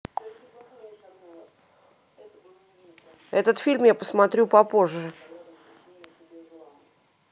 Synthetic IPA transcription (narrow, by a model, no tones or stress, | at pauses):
ɛt̪ət̪fʲilʲmjapəsmɐt̪ɾʲupɐpo̞ʐːɨ